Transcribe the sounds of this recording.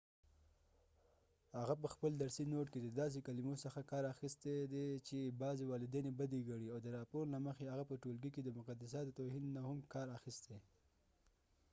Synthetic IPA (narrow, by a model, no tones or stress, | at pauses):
haɣap̬əxpəld̪aɾsinoʈked̪əd̪ɑs̬ekalimosəxakɑɾaxist̪ed̪et͡ʃebɑzewɑlɪd̪enebad̪eɡaɽiawd̪əɾɑpoɾlaməxeaɣapəʈolɡiked̪əmʊqad̪as̬ɑt̪ət̪oɦinːahʊmkɑɾaxist̪e